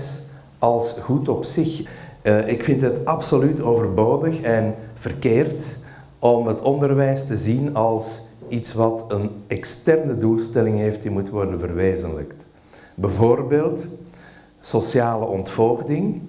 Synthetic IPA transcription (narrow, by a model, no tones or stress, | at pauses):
s | ɑlˠsɣutɔpsɪxʔɪkfɪntɦətɑpsolytoːvərboːdəxɛnv̥ərkeːrt | ɔmətɔndərʋɛjstəzinɑlˠsitsʋɑtənɛkstɛrnədulˠstɛlɪŋɦeːft̚dimutʋɔrdənvərʋeːzənlə̰kt | bəvoːrbeːlˠt | sosjaːləʔɔntfɔlɣdɪŋ